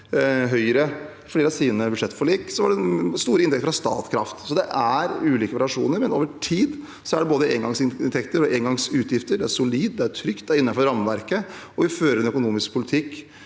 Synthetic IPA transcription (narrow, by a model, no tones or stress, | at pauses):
ɦœʏɾə | fleːɾɑsiːʋnəbʉd̪ʂɛt̪ːfɔɭiːksɔʋɑɖɛst̪uːɾəɪnt̪ɛkt̪fɾɑst̪ɑ̰ːt̪kʰɾɑ̰ft̪sɔd̪ɛʔæɾʉːliːkəʋɑɾɪɑʂṵːnəɾmɛnoːʋəʈʰiːd̪ | sɔæɖɛboːd̪əeːŋɡɑŋsɪnnt̪ʰɛkt̪əɾɔʔeːnɡɑŋsʉːt̪jɪft̪əɖɛæɾʂʊliːd̪d̪ɛæɾʈʰɾʏkt̪̚d̪æɾɪnːɑnfɔɾɑmʋæɾkəɔʋɪføːɾəɾɛnœkʊnuːmɪskpʰʊlɪt̪ʰɪkː